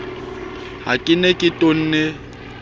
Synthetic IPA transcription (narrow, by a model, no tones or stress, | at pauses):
hakʼɪnekʼɪtʼon̩ːne